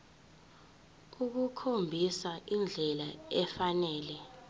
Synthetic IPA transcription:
uk̬ukʰombʱisaʔind͡ɮʱɛlaɛfanɛːlɛ

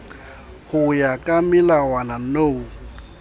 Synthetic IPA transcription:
hʊjakʼamɪlawanan̩noːu

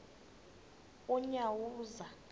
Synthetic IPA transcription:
uɲawuːza

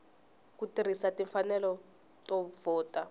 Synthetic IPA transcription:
kutir̤isatiɱfanɛlɔ | tʼɔvɔːtʼa

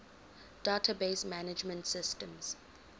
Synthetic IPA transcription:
d̥atʰabesmanɪd͡ʒmə̃ntsɪstə̃mz̥

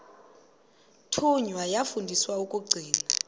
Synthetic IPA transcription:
tʰuɲwajafundʱiswaukʼuɡ͡ǀʱiːna

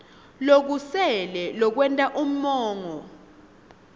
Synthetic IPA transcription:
lok̬usɛlɛlɔk̬wɛntʼaʔum̩mɔːŋɔ

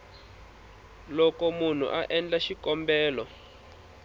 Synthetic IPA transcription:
lɔkɔmun̤ṵʔaʔɛnd͡ɮaʃikɔmbɛːlɔ

